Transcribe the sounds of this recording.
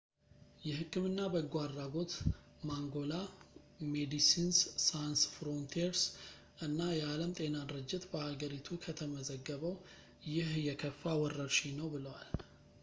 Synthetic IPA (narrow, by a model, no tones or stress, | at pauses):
jɛɦɨkːɨmɨnːabəɡʷaɾaɡo̞t̪ | maŋɡo̞la | med̪isinsːajnsfɾo̞nt̪ʰiɾs | ʔɨnːajɛaləmt̪ʼe̞nad̪ɨɾɨd͡ʒːɪt̪bəhaɡəɾit̪ʰukʰət̪ʰəməzəɡːəβəw | jɪhjɛkʰəfːawɔrːəɾʃinəwbɨləwal